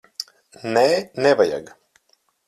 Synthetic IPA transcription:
nɛnɛvaja̰ɡ

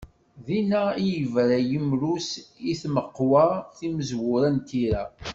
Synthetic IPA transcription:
ðinæijəvɾæjəmɾusiθməqːwaθiməzwʊɾænt̪iɾæ

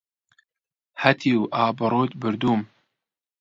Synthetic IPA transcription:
hɐt̪ʰiwʔaːbɨɾˤoːt̪bɨɾd̪uːm

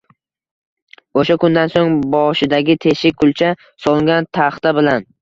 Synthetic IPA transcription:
oʃakʊnd̪ansoŋbɒʃɪd̪aɡʲɪt̪ʰe̞ʃɪkʰʊlˠt͡ʃʰa | sɒlˠɪŋɡʲant̪ʰaχt̪abɪlan

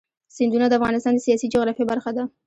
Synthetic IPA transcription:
sɪnd̪unad̪əafɣɑnɪst̪ɑnd̪əsijɑsid͡ʒʊɣɾɑfjabaɾxad̪a

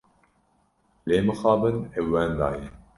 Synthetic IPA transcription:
leːməxɑːbənewːænd̪a̰ːje

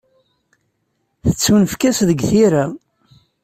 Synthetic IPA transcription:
θət͡sːwənfkæsðəɡθiɾa

